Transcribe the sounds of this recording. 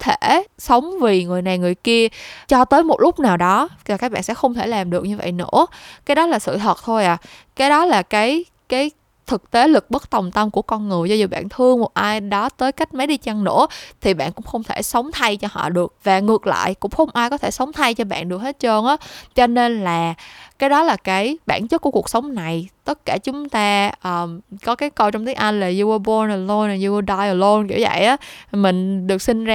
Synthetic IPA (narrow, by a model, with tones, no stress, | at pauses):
t̪ʰe˧˩sə˨˦wŋ͡mvi˨˩ŋɨ˨˩əjna˨˩jŋɨ˨˩əjki˧ət͡ɕɔ˧t̪əː˨˦jmo˨˩t̚lʊ˦˥k͡p̚naː˨˩wɗɔ˨˦a˨˩kaː˦˥k̚ɓa̰ː˧˨nsɛ̰˧˥xə˧wŋ͡mt̪ʰe˧˩laː˨˩mɗɨ˨˩ək̚ɲɨ˧və̰˧˨jno̰˧˥kaː˨˦jɗɔ˨˦laː˨˩sɨ̰˧˨ɦəː˨˩t̚t̪ʰo˧jʔaː˨˩ | kaː˨˦jɗɔ˨˦laː˨˩kaː˨˦j | kaː˨˦j | t̪ʰɨ˨˩k̚t̪e˨˦lɨ˨˩k̚ɓə˦˥t̚t̪ə˨˩wŋ͡mt̪ə˧mku˧˩əkɔ˧nŋɨ˨˩əjzɔ˧zu˨˩ɓa̰ː˧˨nt̪ʰɨ˧əŋmo˨˩t̚ʔaː˧jɗɔ˨˦t̪əː˨˦jka˦˥jk̟̚ma˨˦jɗi˧t͡ɕa˧ŋno̰˧˥ət̪ʰi˨˩ɓa̰ː˧˨nkʊ̰˧˥ŋ͡mxə˧wŋ͡mt̪ʰe˧˩sə˨˦wŋ͡mt̪ʰa˧jt͡ɕɔ˧hɔ̰˧˨ɗɨ˨˩ək̚vaː˨˩ŋɨ˨˩ək̚la̰ː˧˨jkʊ̰˧˥ŋ͡mxə˧wŋ͡mʔaː˧jkɔ˨˦t̪ʰe˧˩sə˨˦wŋ͡mt̪ʰa˧jt͡ɕɔ˧ɓa̰ː˧˨nɗɨ˨˩ək̚he˦˥t̚t͡ɕo˧nʔaː˨˦t͡ɕɔ˧ne˧nlaː˨˩kaː˨˦jɗɔ˨˦laː˨˩kaː˨˦jɓa̰ː˧˨nt͡ɕə˦˥t̚ku˧˩əku˨˩ək̚sə˨˦wŋ͡mna˨˩jt̪ə˦˥t̚kaː˧˩t͡ɕʊ˨˦ŋ͡mt̪aː˧ʔəː˨˩kɔ˨˦kaː˨˦jko˧t͡ɕɔ˧ŋ͡mt̪ʰi˨˦ə˦ŋʔa˧jŋ̟laː˨˩zu˧ə˧ɓo˧nəː˨˩lo˧naː˨˩zu˧ə˧ɗa˧jʔəː˨˩lo˧nkḭ˧˩za̰˧˨jʔaː˨˦mï˨˩ŋ̟ɗɨ˨˩ək̚sï˧nzaː˧